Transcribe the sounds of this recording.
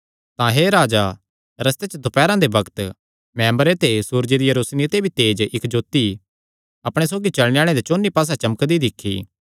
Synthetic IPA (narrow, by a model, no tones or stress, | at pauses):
t̪ãɦeɾaːd͡ʒa | ɾɐst̪et͡ʃəd̪opɛːɾãd̪ebɐkt̪ | mɛ̃ːmbəɾet̪esuːɾd͡ʒed̪ijɐɾusnit̪ebʱit̪eːd͡ʒɪkd͡ʒoːt̪i | ɐpɽ̃es̬oːɡit͡ʃɐɭɽeaːɭ̃ẽd̪et͡ʃoːnːipaːs̬at͡ʃɐməkd̪id̪ɪkʰːḭ